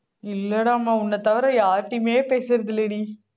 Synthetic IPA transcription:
ɪlːɐɽãːmaːʊnːɐt̪ɐʋɐɾɐ̃jaːʈːimeːpeːsɪɾɐðɯleɽi

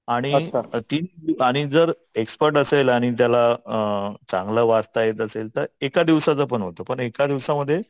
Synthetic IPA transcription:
aɽ̃iat̪iːniaɽ̃id͡zəɾ | ekspəɾʈəselaɽ̃it̪̬jala | t͡sãŋɡləʋast̪ajet̪əselt̪əɾekad̪iʋsat͡səp̬əɳɦot̪opəɳekad̪iʋsaməd̪ʱːje

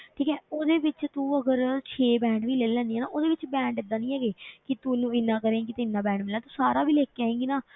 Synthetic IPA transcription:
ʈʰiːkɛːoːd̪eːʋɪt͡ʃt̪ũːəɡəɾt͡ʃʰeːbɛ̃ːɳɖʋiːleːlɛ̃ːnd̪iɛːna̰ːʔoːd̪eːʋɪt͡ʃbɛ̃ːɳɖɪd̪ːaːnĩːɦɛːɡeːkɪt̪ʊnũːɪnãːkəɾẽːkɪt̪ɪnːãːbɛ̃ːɳɖmɪlːãːt̪uːsaːɾaːbiːleːkːeaːẽːŋɡiːnaː

